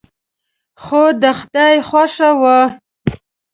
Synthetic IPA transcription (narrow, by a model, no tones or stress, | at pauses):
xod̪əxd̪ajxwaʂawa